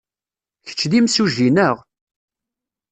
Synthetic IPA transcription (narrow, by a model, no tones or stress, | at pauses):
çə̥t͡ʃːd̪imsuʒinəʁ